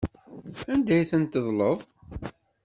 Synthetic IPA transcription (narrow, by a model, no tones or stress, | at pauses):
ænd̪æjθənt̪ːəðˤləðˤ